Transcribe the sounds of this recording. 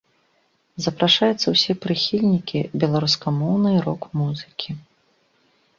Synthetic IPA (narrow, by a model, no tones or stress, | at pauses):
zɐpɾaʂajut̪sːɐwsʲɛpɾɨxʲilʲnʲikʲibʲɛlˠaɾuskamɔwnɨjɾɔkmuzɨkʲi